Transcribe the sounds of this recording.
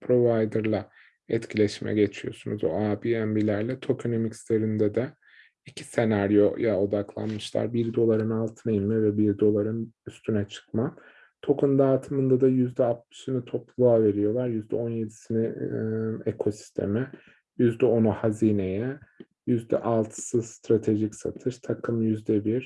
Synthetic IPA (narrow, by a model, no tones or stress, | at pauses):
pʰɾo̞vajd̪ɯɾlˠa | ɛ̰t̪cʰilʲɛʃmɛ̰ɟe̞t͡ʃʰijo̞̰sunuzo̰abiænbilʲæɾlʲɛt̪ʰo̞kʰonomicslʲe̞ɾind̪ɛd̪ɛ | icʰi̥se̞naɾjo̞jao̞d̪aklˠa̰nmɯʃlˠa̰ɾbiɾd̪o̞lˠaɾɯnalˠt̪ʰɯnajimmɛvɛbiɾd̪o̞lˠaɾɯnyst̪ʰynɛt͡ʃʰɯ̥kma | t̪ʰo̞kʰund̪aːt̪ʰɯmɯnd̪ad̪ajyzd̪ɛap̚t̪y̥synit̪ʰo̞plˠuaːve̞ɾijo̞lˠaɾjyzd̪ɛ̰o̞nje̞d̪i̥sini | ekʰo̞si̥st̪ʰe̞̰mɪ | jyzd̪ɛo̞nuhaziːne̞jɛ | jyzd̪ɛ̰ʔalˠt̪ʰɯ̥sɯzst̪ɾat̪ʰe̞ʒicsa̰t̪ʰɯʃt̪ʰakʰɯmjyzd̪ɛbiɾ̥